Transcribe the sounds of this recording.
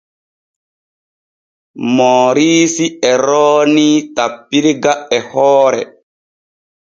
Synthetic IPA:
mɔːɾiːsiɛɾɔːnitapːiɾiɡaʔɛhɔːɾɛ̰

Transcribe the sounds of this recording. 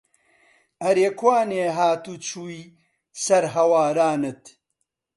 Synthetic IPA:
ɐɾeːkʰwaːneːɦaːt̪ut͡ʃʰuːi | sɐɾɦɐwaːɾaːnɨt̪

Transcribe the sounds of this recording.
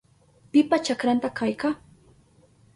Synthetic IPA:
pɪpat͡ʃakɾant̪akʰajka

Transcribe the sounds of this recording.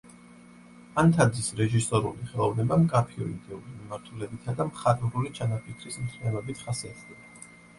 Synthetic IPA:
ant̪ʰad̪zisɾɛʒisɔɾuliχɛlˠɔvnɛbamkʼapʰiɔ̰id̪ɛulimimaɾt̪ʰulɛbit̪ʰad̪amχat̪ʼvɾulit͡ʃʰanapʰikʰɾismt̪ʰmɛɾɔbit̪ʰχasiat̪ʰd̪ɛba

